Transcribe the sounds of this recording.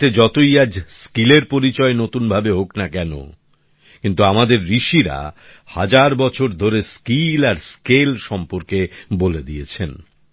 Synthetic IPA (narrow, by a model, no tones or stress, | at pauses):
t̪ed͡ʑɔt̪oiad͡ʑskileɾpoɾit͡ɕɔenot̪unbʱabeɦoknakɛno̰ | kint̪uamad̪eɾːiʃiɾa̰ | had͡ʑaɾbɔt͡ɕʰoɾd̪ʱoɾeskilaɾskelʃɔmpoɾkeboled̪iet͡ɕʰen